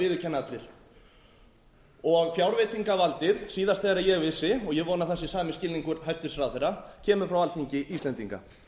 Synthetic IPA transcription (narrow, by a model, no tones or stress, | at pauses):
ɪːðʏcʰɛnːat̪lɪɾ̥ | ɔɣfjawɾvɪt̪iŋkavalt̪ɪðsiːðast̪θɛːɣɾajɛɣvɪsːɪɔɣjɛɣvɔːnaθɛsːɪsaːmɪscɪlniŋkʏɾɦajst̪ʏ̥sɾawθɛɾacʰɛːmʏɾfɾawaltθʰiɲcɪʔist̪ɛnt̪iŋka̰